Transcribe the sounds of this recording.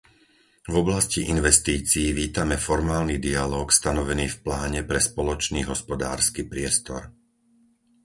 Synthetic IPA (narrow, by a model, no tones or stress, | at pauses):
vɔblasciʔinʋɛst̪iːt͡siːʋiːt̪amɛfɔɾmaːlnid̪ialɔːkst̪anɔʋɛniːfplaːɲɛpɾɛspɔlɔt͡ʃniːɦɔspɔd̪a̰ːɾskiːpɾɪɛst̪ɔɾ